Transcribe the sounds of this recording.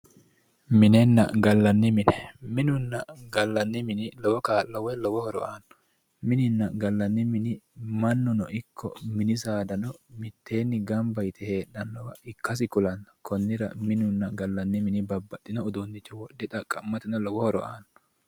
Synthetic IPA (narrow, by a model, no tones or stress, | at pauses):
mɪnɛnːɐ̰ɡɐlːɐnːɪmɪnɛmɪnʊnːɐɡɐlːɐnːɪmɪnɪlɔwɔkaːlɔwɛlɔwɔhɔɾɔ̰ʔaːnːɔ̥ | mɪnɪnːɐɡɐlːɐnːɪmɪnɪmɐnːʊnɔʔɪkʰːɔ̰mɪnɪsaːd̪ɐnɔmɪt̪ʰːe̞ːnːɪɡɐmbɐjt̪ʰɛheːɗːɐnːɔwɐ̰ɪkːɐs̬ɪkʊlɐnːɔkʰɔnːɪɾɐ̰mɪnʊnːɐɡɐlːɐnːɪmɪnɪbɐbːɐt̪ʼːɪnɐʊd̪unːɪt͡ʃːɪwɔdːɛt̪ɐkʼːɐmːɐt̪ɪnɐlɔwɔhɔɾɔ̰ʔaːnːɔ̥